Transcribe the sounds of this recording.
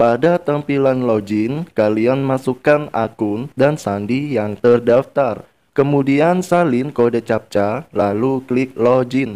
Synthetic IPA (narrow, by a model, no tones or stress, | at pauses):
padat̪əmpilanlɔd͡ʒɪnkalianmasukanʔa̰kʊndansandijaŋt̪ərdaft̪ar | kəmudiansalɪnkodat͡ʃap̚t͡ʃalaluklɪk̚lɔd͡ʒɪn